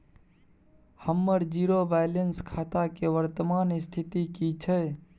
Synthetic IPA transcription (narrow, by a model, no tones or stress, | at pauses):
həmːəɾd͡ʒiɾobʱajlenskʰaːt̪akeʋəɾt̪əmaːnst̪ʰit̪ikit͡ʃʰə